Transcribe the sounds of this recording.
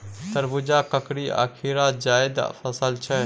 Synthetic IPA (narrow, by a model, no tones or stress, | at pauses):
t̪əɾbud͡ʒakəkɾia̰kʰiɾad͡ʒaːjd̪̰pʰəsəlt͡ʃʰɛ